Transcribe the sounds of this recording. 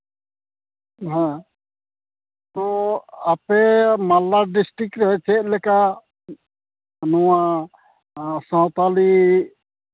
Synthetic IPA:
ɦɛ̃ | t̪ɔapɛmalːaɾɖisʈɾikɾɛt͡ʃɛt̚ˀlɛka | nɔwa | sɔ̃t̪ali

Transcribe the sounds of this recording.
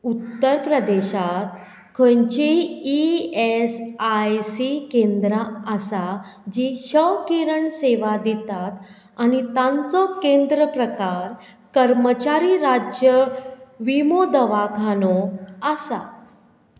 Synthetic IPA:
ut̪ːəɾpɾəd̪eɕat̪ | kʰəɲt͡ɕeiesajsikẽnd̪ɾaəsad͡ʑiɕəkiɾəɳseʋad̪it̪at̪ | añit̪ãnt͡sɔkend̪ɾəpɾəkaɾ | kəɾmət͡ɕaɾiɾad͡ʑjəʋimod̪əʋakʰanɔəsa̰

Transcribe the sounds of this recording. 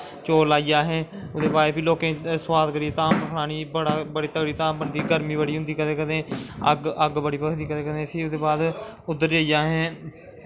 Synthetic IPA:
t͡ʃoːlaːijaːɦɛ̃ː | ʊd̪eːbaːɾeːpʰɪloːkẽːswaːd̪kəɾiːet̪aːmpəkʰɽaːniːbəɽaːbəɽiːt̪əɡɽiːt̪aːmbənd̪iːɡəɾmiːbəɽiːɦʊ̃nd̪iːkət̪eːkəd̪ẽːəɡəɡbəɽiːpəkd̪iːkət̪eːkəd̪ẽːpʰɪʊd̪eːbaːd̪ʊd̪ːəɾd͡ʒaːijaːɦɛ̃ː

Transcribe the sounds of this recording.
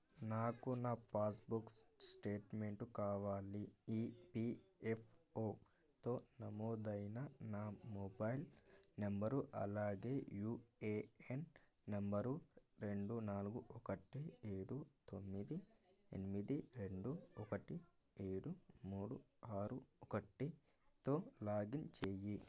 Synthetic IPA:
naːkunaːpaːsbukssʈe̞ːʈmeɳʈukaːʋaːliiːpiepʰoː | t̪o̞ːnɐmoːd̪ɐjnɐnaːmobɐjilnɐmbɐɾuʔɐ̰laːɡe̞ːjuːeːenː | ɐmbɐɾuɾe̞ɳɖunaːluɡuʔɔkɐʈieːɽut̪omːid̪iḛnimid̪iɾe̞ɳɖuɔkɐʈi | eːɽumuːɽu | aːɾuɔkɐʈi | t̪o̞ːlaːɡint͡ʃeːji

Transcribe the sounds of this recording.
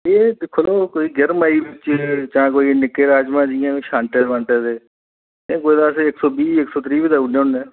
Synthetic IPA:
eːd̪ɪkʰːoloːkoːiːɡɪɾmaːiːbɪt͡ʃt͡ʃãːkoːiːnɪkːeːɾaːd͡ʒmãːd͡ʒɪjãːʃãːɳʈeʋãːɳʈeːd̪eː | ẽːkoːid̪aːsɪksɔːbiːɪksɔːt̪ɾiːbiːd̪aːuneːʊnẽː

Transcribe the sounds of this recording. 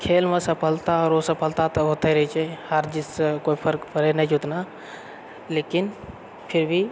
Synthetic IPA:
kʰeːlmẽsəpʰəlt̪aɔːɾosəpʰəlt̪at̪ɔɦoːt̪ɛɾət͡ʃʰɛhəɾd͡ʒɪskoːipʰəɾkpʰəɾenɛd͡ʒut̪na | leːkɪn | pʰɪɾbʱi

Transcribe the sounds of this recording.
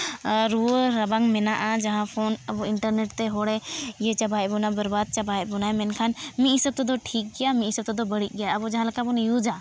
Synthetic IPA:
ɾuoɾɐbaŋɡmenaʔad͡ʒɐɦãpʰoːnɐboɪɳʈəɾneːʈt̪eɦoɽejet͡ʃɐbʱaːjbunabɐɾbaːd̪̚t͡ʃɐbʱaːebunaːemɛ̃nkʰanmĩisɐb̚t̪od̪oʈʰiːk̚ɡijamĩisɐb̚t̪od̪obɐɽiɡɐjaɐbod͡ʒɐɦãlɐkabonejud͡ʒaː

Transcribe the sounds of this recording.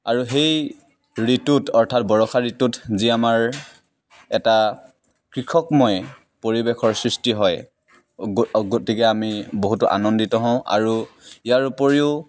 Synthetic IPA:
aɹuɦej | ɹitutɔɹtʰatbɔɹɔxʰaɹitutziamaɹ | ɛta | kɹikʰɔkmɔj | poɹibekʰɔɹsɹistiɦɔj | ɡotikɛamiboɦutuʔa̰nɔnditɔɦɔ̃ʊ̃ʔa̰ɹuijaɹupoɹiʊ

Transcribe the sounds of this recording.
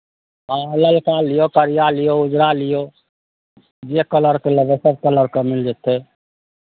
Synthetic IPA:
aləlkalijokəɾijalijoud͡ʒɾalijo | d͡ʒekələɾkelebesəb̚kələɾkemild͡ʒɛt̪e

